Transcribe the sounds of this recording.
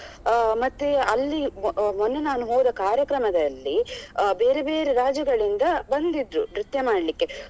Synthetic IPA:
mɐt̪ːeɐlːimonːenaːnuɦoːd̪ɐkaːɾjɐkɾɐmɐd̪ɐlːibe̞ːɾebe̞ːɾeɾaːd͡ʒɐɡɐɭind̪ɐbɐnd̪id̪ɾunɾit̪jɐmaːɽlikːe̞

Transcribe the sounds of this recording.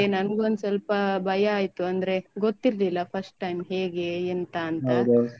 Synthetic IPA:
enɐnɡuond̪usɐlpɐbʱɐjɐaːjt̪uɐnd̪ɐɾe̞ɡot̪ːiɾlilːɐpʰɐɾsʈʈːɐjmɦeːɡeent̪aːntɦ̪ɐd̪

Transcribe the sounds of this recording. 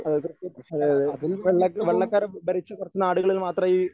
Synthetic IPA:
ɐðɐkurɐt͡ɕːɐɐðɐɐðilʋeɭːɐkːɐʋeɭːɐkːaːɾbɐɾit͡ɕːɐkurɐt͡ɕːunːaːɽuɣɐɭilmaːt̪rɐiː

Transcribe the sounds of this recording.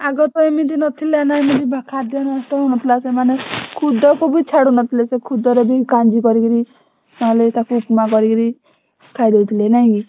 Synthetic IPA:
aɡɔt̪ɔemid̪inɔt̪ʰilenaemid̪ibʱakʰad̪janst̪ɔɦunɔt̪ʰilasemanekʰud̪ɔkubit͡ʃʰaɽunɔt̪ʰilesekʰud̪ɔɾebikand͡ʒikɔɾikiɾi | maɦɔlet̪akuːpmakɔɾikiɾi | kʰajd̪ewt̪ʰilenaɦĩki

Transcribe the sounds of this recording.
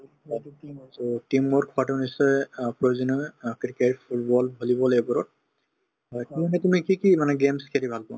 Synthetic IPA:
ɔtimːɔɹkʰɔatunisɔjpɹojzinɔkiɾikepʰutbɔlbʱolibɔlejbɔɹɔt̚ | ɔtiɔnɛtumikikimanɛɡemskʰeɾibʱalpɔ

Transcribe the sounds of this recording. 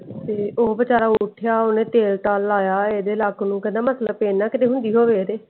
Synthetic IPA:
t̪eːʔoːbət͡ʃaːɾaːʊʈʰjaːoːnẽːt̪eːlʈaːlːaːjaːeːd̪eːlaːknũːkə̃nd̪ãːmət̪ləbpeːnːaːkɪt̪eːɦʊ̃nd̪iːɦoːʋeːɾeː

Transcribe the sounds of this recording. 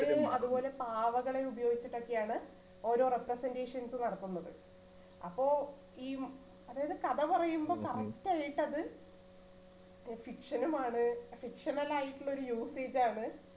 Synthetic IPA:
umɐðupo̞ːle̞paːʋɐɣɐɭe̞ubɐjo̞ːɡit͡ɕːiʈːo̞kːejaːɳɨ | o̞ːɾo̞ːreprɐsende̞ːʂɐnsɨnɐɽɐt̪ːunːɐðɨ̰ | ɐpːo̞ː | iː | ɐðaːjɐðɨkɐðɐpɐrɐjumbo̞ːkɐrɐktaːjiʈːɐðɨ | fikʂɐnumaːɳɨfikʂɐnɐlaːjiʈːulɭːɐo̞ɾujuːse̞ːd͡ʑaːɳɨ

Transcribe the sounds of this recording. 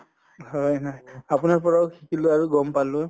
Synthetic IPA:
ɦɔjnajapunaɹp̬ɔɹakʰikʰilʊaɹuɡɔmpalʊ

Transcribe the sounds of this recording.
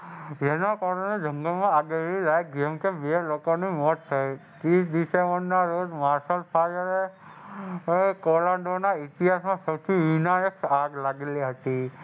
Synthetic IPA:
d͡ʒenakɔɾənẽd͡ʒʱə̃ŋɡəlmãaɡeɾilajkemkeʋelokonĩmɔt̪ːʰəjt̪ɾisd̪isẽmbəɾnaɾod͡ʒmaɾsəlpʰajəɾe | kolaɳɖonaitijasmãsəwt̪ʰiʋinajəksaɡlaɡeliɦət̪i

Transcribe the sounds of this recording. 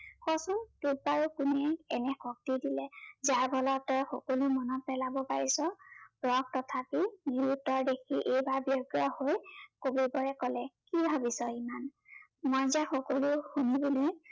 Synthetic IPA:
xɔsɔntut̚baɹukunɛɛnɛxʰɔk̚tidilɛzaɹbʱɔlɔtɔxɔkolumɔnɔpɛlabɔpaɹisɔbɹɔɡ̚tɔt̪ʰapiniɹutːɔɹdekʰiʔejbaɹbjɔɡɹɔhojkobibɔɹɛkɔlɛkibʱabisɔimanmɔjzaxɔkoluxunibuli

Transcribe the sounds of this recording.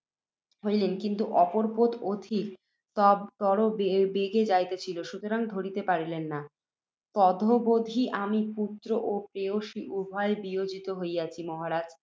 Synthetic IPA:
ɦojlenkint̪uʔɔpoɾpot̪od̪ʱik | t̪ɔɾobebeɡed͡ʑajt̪et͡ɕʰiloʃut̪oɾaŋd̪ʱoɾit̪epaɾilenːa | t̪ɔd̪ʱobod̪ʱiʔamiput̪ːɾoʔopɾeoʃiʔubʱɔebiod͡ʑit̪oɦojat͡ɕʰimɔɦaɾad͡ʑ

